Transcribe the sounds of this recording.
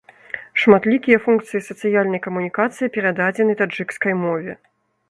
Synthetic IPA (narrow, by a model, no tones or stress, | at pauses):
ʂmat̪lʲikʲijɐfunk̚t̪sɨjisɐt̪sɨjalʲnɐjkɐmunʲikat̪sɨjipʲɛɾad̪ad͡zʲɛnɨt̪ad͡ʐɨkskɐjmɔvʲɛ